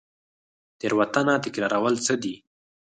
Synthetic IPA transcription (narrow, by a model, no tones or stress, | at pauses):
t̪eɾwat̪anat̪ɪkɾɑɾawəlt͡səd̪i